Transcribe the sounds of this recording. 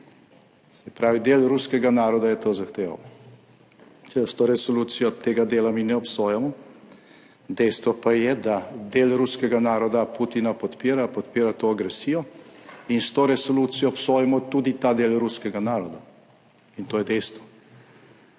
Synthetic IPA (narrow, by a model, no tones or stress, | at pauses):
sɛpɾaːʋid̪eːlɾuskɛɡanaːɾɔd̪ajɛt̪oːzaxt̪eːʋa̰w | t͡ʃɛst̪oːɾɛsɔluːt̪sijɔt̪eːɡad̪eːlaminɛɔpsoːjamɔ | d̪ɛjst̪ʋɔpajɛd̪ad̪eːlɾuskɛɡanaːɾɔd̪aput̪inapɔt̪piːɾapɔt̪̚peːɾat̪oːaɡɾɛsiːjɔinst̪oːɾɛsɔluːt̪sijɔːpsoːjɛmɔt̪uːd̪it̪ad̪eːlɾuskɛɡanaːɾɔd̪a | int̪oːjɛd̪ɛjst̪ʋɔ